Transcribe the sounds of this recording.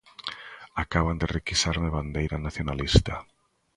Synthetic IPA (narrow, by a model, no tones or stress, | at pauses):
akaβand̪ɪrekisaɾmɪβand̪ejɾanaθjonalist̪a